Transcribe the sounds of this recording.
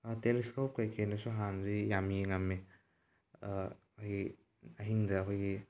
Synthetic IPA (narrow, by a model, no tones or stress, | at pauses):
ateleskop̚kajkʰenɐsuɦanzijamiŋɐmːe | kʰoji | ɐɦiŋdɐːkʰojɡi